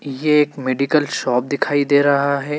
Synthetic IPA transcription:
jeːkmeːɖikəlʃɔːp̚d̪ɪkʰaːid̪eːɾɐɦaɦɛː

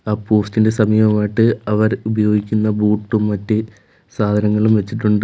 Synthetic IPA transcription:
aːpo̞ːstinde̞sɐmiːʋɐmaːjiʈːɨɐʋɐɾubɐjo̞ːɡikʲːunːɐbuːʈːumːɐtːɨ | saːd̪ʱɐnɐŋːɐɭumʋet͡ɕːiʈːuɳɖɨ

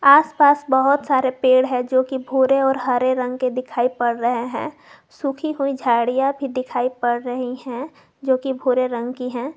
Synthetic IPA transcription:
aːspaːsbəɦʊt̪saːɾepeːɽɦɛ̃d͡ʒoːkibʱuːɾeɔːɾɦəɾeɾɐ̃ŋɡked̪ɪkʰaːipɐɽɾəɦeɦɛ̰̃ː | sukʰiɦuid͡ʒʱaːɽijabʱid̪ɪkʰaːipɐɽɾəɦiɦɛ̃ | d͡ʒoːkibʱuːɾeɾə̃ŋɡkiɦɛ̃ː

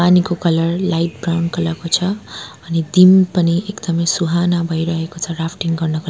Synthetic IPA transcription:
panikokʌlʌrlajʈ̚brawnkʌlʌrkot͡sʰʌː | nid̪impʌniekd̪ʌmʌjsuɦanabʱʌjɾʌɦekot͡sʰʌrapʰʈiŋɡʌrnʌkʌ

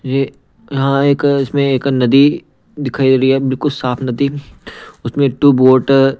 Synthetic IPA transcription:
je | jɐɦãeːkɪsmẽeːknɐd̪i | d̪ɪkʰaːid̪ɾɐiɦɛːbɪlkʊlsaːpʰnɐd̪i | ʊsmẽʈuːboːʈ

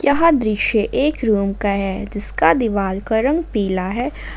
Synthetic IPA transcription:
jɐɦãd̪ɾɪʃeʔeːkɾuːmkaɦɛd͡ʒɪskad̪ɪʋaːlkɐɾə̃ŋɡpiːlaɦɛː

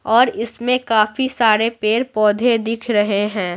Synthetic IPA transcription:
ɔːɾɪsmẽkaːfisaːɾepeːɾpɔːd̪ʱed̪ɪkʰɾɐɦeɦɛ̃ː

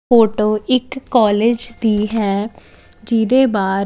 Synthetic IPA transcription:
oːʈoːɪkːɔːleːd͡ʒd̪iːɦɛː | d͡ʒɪd̪eːbaː

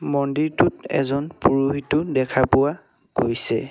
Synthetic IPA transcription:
mɔndiɹtʊtɛ̰zɔnpuɹuɦitʊdɛkʰapʊwa | kojsɛ̰

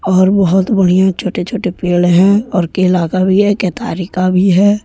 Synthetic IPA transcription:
ɔːɾbɔɦʊt̪bəɽ̤ijãt͡ʃʰoːʈet͡ʃʰoːʈepeːlɦɛ̃ɔːɾkeɪlaːkabʱiɦɛket̪a̰ːɾikabʱiɦɛː

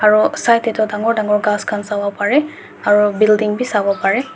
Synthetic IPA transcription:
aɹusajtetɔdaŋɔɹdaŋɔɹɡaskʰansabɔpaɹɛ | aɹubildiŋbisabɔpaɹɛ

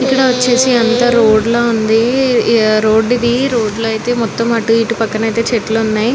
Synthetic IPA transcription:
ikːɐɽɐʋɐt͡ʃːe̞ːsiɐnt̪ɐːɾoːɖloːund̪i | ɾo̞ːɖid̪iɾo̞ːɖloːɐjt̪e̞ːmɔt̪ːɐmɐʈuiʈupɐkːɐnɐjt̪e̞ːt͡ʃeʈluunːaːji

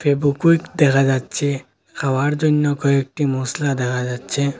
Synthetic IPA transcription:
pʰebukuikd̪ekʰad͡ʒad̪̚t͡ʃʰe | kʰaʋaɾd͡ʒonjɔkɔek̚ʈimoːslad̪ekʰad͡ʒad̪t͡ʃʰe

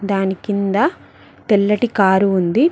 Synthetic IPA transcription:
d̪aːnikind̪ɐ | t̪ɛlːɐʈikaːɾuund̪i

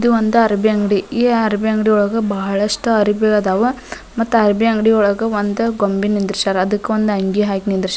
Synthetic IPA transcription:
id̪uʋond̪uɐɾbiɐŋɡɽiiːɐɾɐbiɐŋɡɽijɔɭɐɡɐbɐɦɐɭɐʂʈuɐɾibiɡɐd̪aːʋɐ | mɐt̪ːuɐɾbiɐŋɡɽiɔɭɐɡɐʋond̪uɡombinːind̪ɾʃaːɾɐd̪ɐkːeʋond̪uɐŋɡiɦaːkinind̪ɾʃa

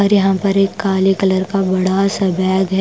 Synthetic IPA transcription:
ɐɾjɐɦãːpɐɾeːkːaːlikɐləɾkabɐɽasɐbɛːɡɦɛ

